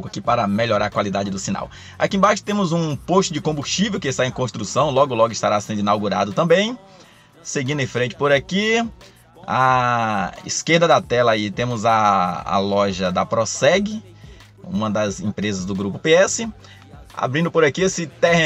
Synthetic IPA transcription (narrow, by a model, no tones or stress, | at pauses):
wkʊakipaɾɐmeʎoɾaɾɐkwalid̪ad͡ʒɪd̪ʊsina̰w | a̰kĩẽbaʃʊ̥t̪ẽmʊzũpoʃt͡ʃʊd͡ʒɪkõbust͡ʃivewkɪst̪aẽj̃kõst̪ɾusɐ̃w̃lɔɡʊlɔɡʊɪst̪a̰ɾasẽnd̪ʊĩnawɡuɾa̰d̪ʊt̪ɐ̃mbẽj̃ | seɡĩd̪ʊẽfɾẽnt͡ʃɪ̥poɾaki | a̰ | ḭskeɾd̪ɐd̪ɐt̪ɛlɐait̪ẽmʊzɐ̰ːlɔʒɐd̪ɐpɾɔsɛɡɪ | ṵ̃mɐd̪ɐzḛ̃pɾezɐzd̪ʊɡɾupʊpeɛsɪ | a̰bɾĩnd̪ʊpoɾakiesɪt̪ɛhe